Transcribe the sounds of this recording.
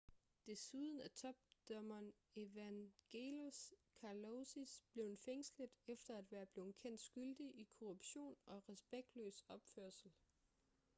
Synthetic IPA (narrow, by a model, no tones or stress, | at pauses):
d̥e̝suðˠən̩æt͡sʰɒ̽b̥d̥ɒmɐn | e̝ʋæŋɡ̥e̝lo̝skʰɑlosisb̥le̝ʊnfeŋ̰sləd̥ˠefd̥ɐæd̥ʋæːɐb̥le̝ːʊn̩kʰen̰d̥sɡ̥yld̥iʔikʰoʁub̥ɕo̝̰ːnɒ̽ʁɛsb̥eɡ̥̚d̥lø̰ːsɒ̽b̥føɐ̰sl̩